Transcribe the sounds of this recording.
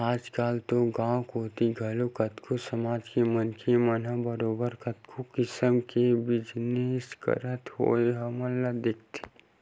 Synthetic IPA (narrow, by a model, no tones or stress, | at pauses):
aːd͡ʒkaːlt̪oɡãːkoːt̪iɡʱɐlokɐt̪kʰosɐmaːd͡ʒkemənkʰemɐnãbəɾoːbəɾkɐt̪kʰukɪsəmkebɪd͡ʒneːskə̰ɾət̪ho̰ːeɦɐmɐlːad̪eːk̚ʰt̪ʰi̥